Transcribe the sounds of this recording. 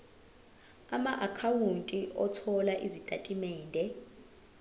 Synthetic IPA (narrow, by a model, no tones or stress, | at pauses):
amaʔakʰawuntʼiʔɔtʰɔlaʔizitʼatʼimɛːndʱɛ